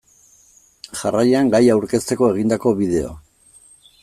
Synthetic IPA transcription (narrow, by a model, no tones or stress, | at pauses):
ʝarajeaŋɡajawɾke̞st̪e̞ko̞e̞ɣind̪ako̞βiðe̞o̰